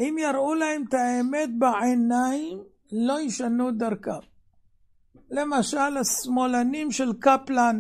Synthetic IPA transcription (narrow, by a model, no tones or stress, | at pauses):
ʔimjaɾʔulahemt̪aeme̞t̪̚baʕenaim | lo̞iʃanud̪aɾka | le̞maʃalasmo̞lanimʃelkaplan